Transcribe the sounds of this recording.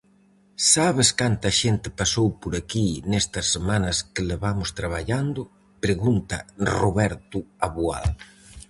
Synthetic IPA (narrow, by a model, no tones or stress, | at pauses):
saβɪskant̪ɐʃent̪ɪpasowpoɾakinɛst̪ɐsːemanɐskɪleβamʊst̪ɾaβ̞aʎand̪ʊ | pɾeɣunt̪ɐroβɛɾt̪ʊaβua̰l